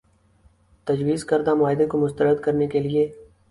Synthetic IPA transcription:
t̪ɐd͡ʒwiːzkɐɾd̪amʊaːɦɪd̪ekomʊst̪əɾəd̪kɐɾnekelie

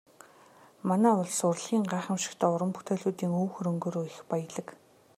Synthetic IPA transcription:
manæːʊɮsʊrɮɣiːŋɢaːχə̆mʃɪ̥̆kt̪ʰæːʊɾə̆mpu̥t̪ʰeːɮuːt̪iːŋuːwxɵɾɵ̆ŋɡoːɾuːɪxpajə̆ɮə̆k

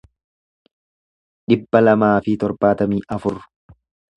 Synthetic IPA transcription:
ᶑɪbːɐlɐmaːfɪt̪ɔɾbaːt̪ɐmiːʔɐfʊrːʊ̥

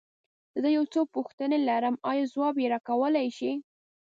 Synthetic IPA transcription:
zəjawt͡sopʊxt̪ənelaɾəmɑjɑzwɑbjeɾɑkawəlajʃi

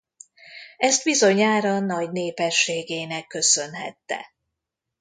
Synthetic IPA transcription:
ɛst̪bizo̞ɲaːɾɒnɒɟneːpɛʃːeːɡeːnɛkːø̞sø̞nɦɛ̰t̪ːɛ̰

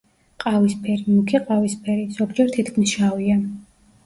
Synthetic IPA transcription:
qʼavispʰɛɾimukʰiqʼavispʰɛɾiz̥ɔɡd͡ʒɛɾt̪ʰit̪kʰmisʃavia

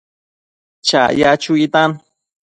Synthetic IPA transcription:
t͡ʃa̰jat͡ʃuit̪an

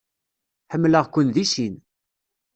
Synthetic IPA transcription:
ħəmːləʁkʷʊnðisin

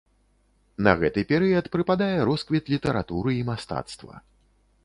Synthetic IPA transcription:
nɐɣɛt̪ɨpʲɛɾɨjɐt̪pɾɨpad̪ajɛɾɔskvʲit̪lʲit̪ɐɾa̰t̪uɾɨimast̪a̰t̪st̪vɐ̰

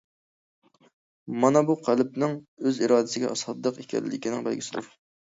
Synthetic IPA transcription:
mɑnɑbuqʰælˠp̚nɪŋøziɾɑːd̪ɪsɪɡʲɛ̰ʔɑsɑtd̪əqekʲɛ̰lːɪkʲinɪŋbælɡʲisɪd̪uɾ

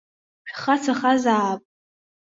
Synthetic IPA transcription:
ʃχat͡sʰaχazaːpʼ

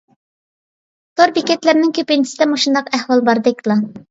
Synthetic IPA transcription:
t̪ʰoɾbekʲɛt̪lɪɾnɪŋkʲʰøpɪnɪsɪd̪ɛmoʃund̪ɑqæhwɑlˠbɑɾd̪ɨkʲlˠɑ

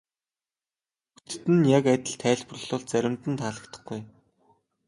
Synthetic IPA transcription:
ut̪t̪ɘ̆njakæt̪ʲɪ̆ɮt̪ʰæːɮp̆r̆ɮʊːɮt͡sæɾʲɪ̆mt̪ɘ̆nt̪ʰaːɮə̆kt̪ə̥̆χɡuj

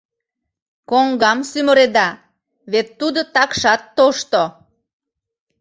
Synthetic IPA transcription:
koŋɡɑmsyməɾed̪ɑ | βet̪ːud̪ot̪ɑkʃɑt̪ːoʃt̪o

